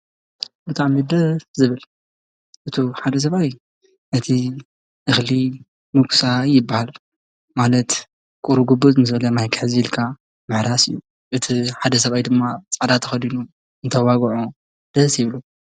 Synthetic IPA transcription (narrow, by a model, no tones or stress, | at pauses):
bɨt̪ʼaʕmid̪ɐzɨβɨl | ʔɨt̪ʰoħad̪ɐs̬ɐβaj | ʔɨt̪ʰi | ʔɨxli | mɨksajɪbːahal | malɐt̪ | kʼuɾuɡubuzɨnɨsbɐlɐmajkʰħziilkʰa | mɨħɾasɨjːu | ʔɨt̪ʰiħad̪ɐsɐβajd̪ɨmːat͡sʼad̪at̪ʰːɐxɐd̪inu | ɨnt̪ʰɐwaɡʕo | d̪̥ɐsjɪβlu